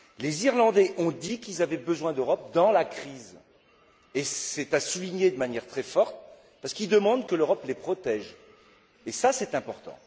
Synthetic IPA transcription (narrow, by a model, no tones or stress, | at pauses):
leziʁlɑ̃d̪ɛʔɔ̃d̪ikilzavɛbəzwɛ̃d̪øʁɔp̚d̪ɑ̃lakχiz | esɛt̪asuliɲed̪əmanjɛʁt̪χɛfɔʁt̪ | paʁsə̥kild̪əmɑ̃d̪kəløʁɔplepχɔt̪ɛʒ | esasɛt̪ɛ̃pɔʁt̪ɑ̰̃